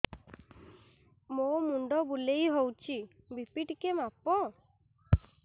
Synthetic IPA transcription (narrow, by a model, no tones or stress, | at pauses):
momuɳɖɔbulejɦowt͡ʃʰi | bipiʈkemapɔ